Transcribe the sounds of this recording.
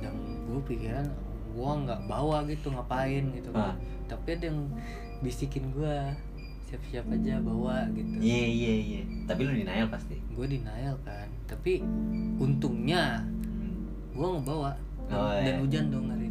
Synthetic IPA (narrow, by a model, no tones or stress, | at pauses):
daŋ | ɡuapikiɾan | ɡuaŋɡaʔbawaʔɡit̪uŋapaɪnɡit̪uɡa | t̪apiadaaŋ | bisikɪnɡua | siapsiapad͡ʒabawaɡit̪uiaijaijat̪apiludinaalpast̪iɡuadinaalkant̪apiunt̪ʊŋɲa | ɡuaŋobawaʔ | danud͡ʒandɔŋaɾi